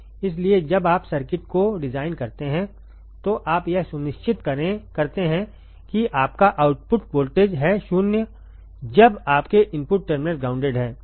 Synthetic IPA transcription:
ɪs̬lied͡ʒɐbaːpsɐɾkɪʈkoɖɪzaːɪnkɐɾt̪eɦɛ̃ | t̪oʔaːpjɛɦsʊnɪʃt͡ʃɪt̪kɐɾekɐɾt̪eɦɛ̃ | kiʔaːpkaʔaːʊʈpʊʈpoːlʈeːd͡ʒɦɛʃʊnjə | d͡ʒɐbaːpkeʔɪ̃mpʊʈ̚ːɐɾmɪneʈ̚ɡaːʊ̃ɳɖeːɖɦɛ̃ː

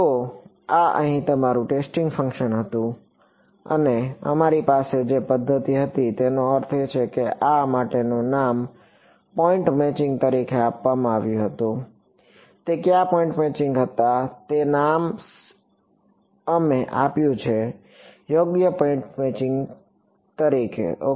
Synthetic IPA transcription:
t̪o | aʔə̰ɦĩt̪əmaɾũʈesʈɪ̃ŋɡfə̃ŋkʃənɦət̪ũ | ə̰neə̰maɾipased͡ʒepəd̪ʱːət̪iɦət̪it̪enoəɾt̪ʰet͡ʃʰekeʔamaʈenũnam | pɔɪ̃ɳʈmɛt͡ʃɪ̃ŋɡ̚t̪əɾikʰeapʋamãaʋjũɦət̪ũ | t̪ekjapɔ̃ĩɳʈmɛt͡ʃɪ̃ŋɡɦət̪at̪enam | əmeʔa̰pjũt͡ʃʰe | joɡjəpɔiɳʈmɛt͡ʃɪ̃ŋɡ | t̪əɾikʰḛo

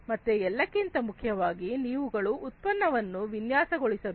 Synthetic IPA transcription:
mɐt̪ːeɛlːɐkːint̪ɐmukʰjɐʋaːɡiniːʋuɡɐɭuːt̪̚pɐnːɐʋɐnːuʋinjaːsɐɡoɭisɐɾu

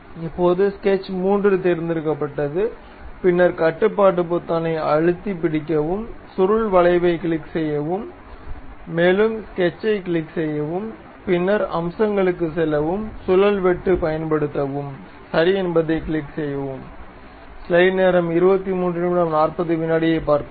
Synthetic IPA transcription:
ɪpːoːðɯskɛt͡ʃːmuːndrɯt̪ɛɾɪnd̪ɪɾɯkːɐpːɐʈːɐðɯ | pɪnːɐɾkɐʈːɯpːaːʈ̬ːɯp̬ot̪ːɐnɐɪɐɻɯt̪ːip̬ːɪɽɪkːɐʋɯmsʊɾɯɭʋɐɭɐɪʋɐɪkɪɭɪkːsɛjːɐʋɯmː | eːlɯmskɛt͡ʃːɐɪkɪɭɪksɛjːɐʋɯm | pɪnːɐɾɐ̰msɐŋɡɐɭɯkːɯsɛlːɐʋɯmsʊlɐlʋɛʈːɯpɐjɐnpɐɽɯt̪ːɐʋɯm | sɐɾiɛnbɐðɐɪkɪɭɪksɛjːɐʋɯm | slɐɪneːɾɐmɪɾɯbɐt̪ːimuːndrɯmɪɽɐmnaːrpɐðɯʋɪnːaːɽɪjɐɪpːaːɾk

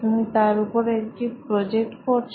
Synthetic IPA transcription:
t̪umit̪aɾupoɾekʈipɾɔd͡ʑek̚ʈkoɾt͡ɕʰ

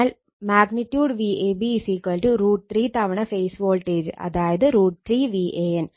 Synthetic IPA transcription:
al | maːɡnɪʈjuːɖʋiːʔeːbisiːkɐlʈɯɾuːʈ̚t̪ɾiːt̪ɐʋɐɳɐfeːsʋoːlʈeːd͡ʒɐ̰ðaːjɐðɯɾuːʈ̚t̪ɾiːʋiːʔeːɛn

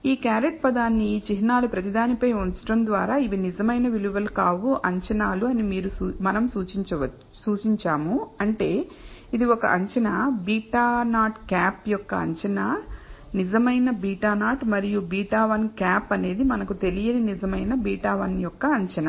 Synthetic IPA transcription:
iːkaːɾeʈ̚pɐd̪aːnːit͡ʃiɦinaːlupɾɐt̪id̪aːnipɐjunt͡ʃɐ̥ʈɐnd̪ʋaːɾaːiʋinid͡ʒɐmɐjnɐʋiliʋɐlkaːʋuʔɐɲt͡ʃɐnaːluɐnimiːɾumɐnɐmsuːt͡ʃiɲt͡ʃɐʋɐ | suːt͡ʃiɲt͡ʃaːmuɐɳʈe̞ː | id̪iɔkɐ̰ʔɐɲt͡ʃɐnɐbiːʈaːnaːʈkaːpjɔkːɐɐ̰ɲt͡ʃɐnɐnid͡ʒɐmɐjnɐbiːʈaːnaːʈmɐɾijubiːʈaːʋɐnkaːpɐne̞ːd̪imɐnɐkut̪e̞lijɐninid͡ʒɐmɐjnɐbiːʈaːʋɐnjɔkːɐɐɲt͡ʃɐnɐ

